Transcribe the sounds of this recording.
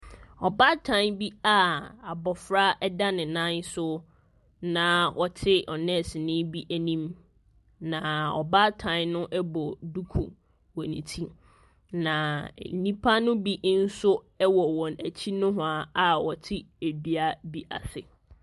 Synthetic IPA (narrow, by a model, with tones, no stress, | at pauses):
ɔ˨ba˦tʰã˦nbi˦a˦a˨bɔ˨fɾa˦ɛ˦da˦nɪ̃˨nã˦ɲ˦sʊ˦ | nã˦wʔɔ˨tʰɪ˦ɔ˨nɛ̃˦˨sɪ˨nɪ̃˦bi˦ʔæ˨nĩ˦m | nã˨ɔ̰˨ba˦tʰã˦nnʊ̃˦ʔɛ˦bɔ˨du˦kʰṵ˨ | wɔ˨nḭ̃˨tʰi˦ | nã˨nĩ˦pʰa˦nʊ̃˦bi˦ʔn̩˦sʊ˦ | ɛ˦wɔ˨wɔ̃˨næ˨t͡ɕʰi˦nʊ̃˦ɦʊ̃˨a˨a˦wɔ˨tʰɪ˦e˨bi˦a˦bi˦ʔa̰˨sɪ̰˨